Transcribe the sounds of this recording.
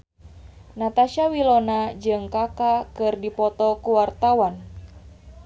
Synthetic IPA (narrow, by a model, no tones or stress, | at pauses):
nat̪aʃawilonad͡ʒɨŋkakakɨrdipɔt̪ɔkuwart̪awan